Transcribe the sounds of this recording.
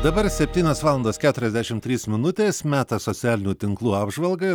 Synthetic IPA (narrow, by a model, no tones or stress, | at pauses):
d̪ɐbɐɾsʲɛpʲt̪ʲiːnʲoːsʋɑːlˠɐnd̪oːskʲæːt̪ʊɾʲɛzd̪ʲæʃʲɪmt̪ʲɾʲiːsmʲɪnʊt̪ʲeːsmʲæːt̪ɐsosʲɪæːlʲɪnʲuːt̪ʲɪŋklˠuːɑːbʒʋɐlˠɡɐɪ